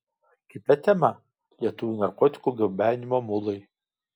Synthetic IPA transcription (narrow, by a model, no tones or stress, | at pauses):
kʲɪt̪ɐt̪ʲɛmɐ | lʲiɛt̪ʊʋʲunɐɾkɔt̪ʲɪ̥kuːɡʲɪbʲæːnʲɪmoːmʊlˠɐɪ